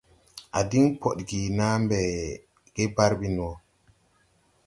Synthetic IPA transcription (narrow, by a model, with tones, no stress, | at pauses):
ʔa̰˨di˦ŋpʰɔ˨ɗɡi˨naː˦mbɛ˨ | ɡ̥ɛ˦ba˦ɾbi˦nɔ˨